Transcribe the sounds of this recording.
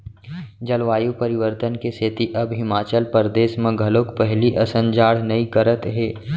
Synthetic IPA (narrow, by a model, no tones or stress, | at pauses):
d͡ʒɐlʋaːjupəɾɪʋəɾt̪ənkeseːt̪iʔɐbɦɪmaːt͡ʃəlpəɾd̪eːʃmẽɡʱɐlokpɛɦliʔɐsə̃nd͡ʒaːɽ̤nɐikəɾət̪ɦɛː